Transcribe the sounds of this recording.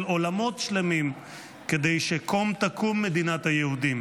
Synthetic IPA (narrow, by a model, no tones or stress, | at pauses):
lo̞lamo̞tʃle̞mim | ke̞d̪ejʃekomt̪akʰumːe̞d̪inat̪hajehud̪im